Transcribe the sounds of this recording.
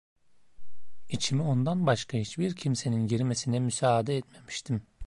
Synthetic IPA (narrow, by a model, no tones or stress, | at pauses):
it͡ʃʰimio̞nd̪anbaʃkʰaɦit͡ʃbiɾcʰimse̞ninɟeɾimesinɛmysaːd̪ɛɛt̪me̞mi̥ʃt̪ʰim